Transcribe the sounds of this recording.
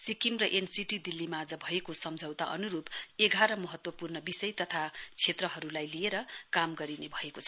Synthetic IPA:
sikimrʌʔensiʈid̪ilːimaːd͡zʌbʱʌekosʌmd͡zʱʌwt̪aʔʌ̰nuɾupeɡʱaɾʌmʌɦʌt̪wʌpurnʌbisʌjt̪ʌt̪ʰat͡sʰet̪rʌɦʌɾulajlieɾʌkamɡʌɾinebʱʌekot͡sʰʌ

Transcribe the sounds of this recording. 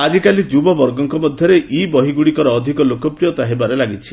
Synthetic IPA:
ad͡ʒikalid͡ʒubɔbɔɾɡɔŋkɔmɔd̪ʱjɔɾeʔibɔɦiɡuɽikɔɾɔːd̪ʱikɔlokɔpɾijɔt̪aɦebaɾelaɡit͡ʃʰi̥

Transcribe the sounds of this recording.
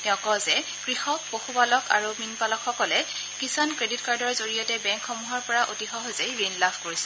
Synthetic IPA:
tɛʊ̃kɔzɛ | kɹixɔk̚poxupalɔkʰa̰ɹuminpalɔkxɔkɔlɛ | kisankɹeditkaɹdɔɹzoɹijɔtɛbɛ̃ŋkxɔmuɦɔɹpɔɹaʔotixɔɦozejɹinlapʰkoɹisɛ

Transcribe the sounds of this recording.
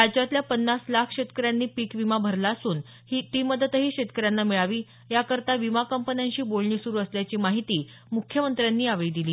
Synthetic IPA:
ɾad͡ʑat̪ljapənːaslakʰɕet̪kəɾjanːiːpiːkʋimabʱəɾlaəsuːn | hiːt̪iməd̪ət̪ɦiːɕet̪kəɾjanːamiɭaʋiː | jakəɾt̪aʋimakəmpənjãɲt͡ɕiːbolɳiːsuɾuːəsljat͡ɕiːmaɦit̪iː | mukʰjəmənt̪ɾjanːiːaʋəid̪iliː

